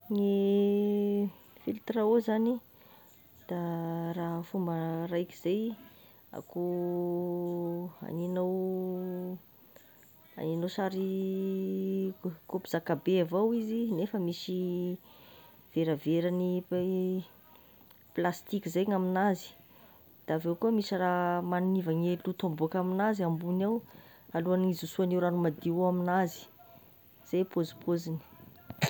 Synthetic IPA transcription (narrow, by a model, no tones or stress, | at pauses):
ŋi | filt̪ɾaozani | d̪̥araɦfumbərajki̥z̥ej | a̰ko | a̰ninaw | a̰ninowsaɾi | kopiz̥akabeavawizinefəmisi | v̥eɾəveɾani | plast̪ikizajŋaminazi̥ | d̪̥avewkuəmisaɾamanunivaŋelut̪ombokaminaziambunaw | aluanizusuanewɾanumad̪iuaminazi̥ | z̥ajpozu̥pʰozini̥